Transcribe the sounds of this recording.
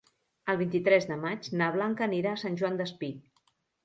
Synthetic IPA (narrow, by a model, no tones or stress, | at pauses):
əlˠβint̪it̪ɾɛzðəmat͡ʃnaβ̞laŋkəniɾaːsanʲʒuwand̪əspi